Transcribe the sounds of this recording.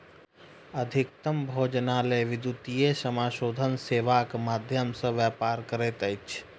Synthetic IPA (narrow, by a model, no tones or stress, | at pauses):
ɐd̪ʱɪk̚t̪əmbʱoːd͡ʒnaːleʋɪd̪jut̪ijesəmaːʃoːd̪ʱənseːʋakmaːd̪ʱjəmsə̃ʋjaːpaːɾkəɾeːt̪əɪt͡ʃʰ